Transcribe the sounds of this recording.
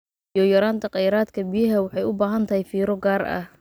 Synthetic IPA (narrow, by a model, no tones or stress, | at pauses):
jɔjɐɾaːnt̪ʰɐqɑjɾaːd̪kʰɐbijɐɦɐwɑħɑjʊbaːɦɐnt̪ʰɐhɛjfiːɾɔɡaːrɐ̰h